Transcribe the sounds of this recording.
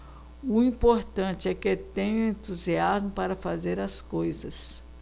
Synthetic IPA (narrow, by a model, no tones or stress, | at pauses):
ʊĩpoɾt̪ɐ̃t͡ʃɪɛket̪ẽɲʊ̃ẽt̪uziazmʊpaɾɐfazeɾɐskojzɐs